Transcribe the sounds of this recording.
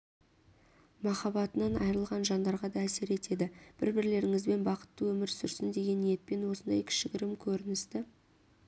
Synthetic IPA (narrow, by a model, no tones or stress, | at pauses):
mɑχɑbɑt̪ənɑnɑ̰jɾəlˠʁɑnʒɑnd̪ɑɾʁɑd̪ɑæse̞ɾe̞t̪e̞d̪ɪb̥ɪ̰ɾbɪɾle̞ɾɪŋɪzbe̞nbɑqə̥t̪ːəwɵmɪɾsʏɾsɪnd̪e̞ɡʲe̞nije̞t̪̚pe̞nwo̞sənd̪ɑjkʲʰɪ̥ʃɪkʲɪɾɪmkʲʰɵɾɪnɪst̪ɪ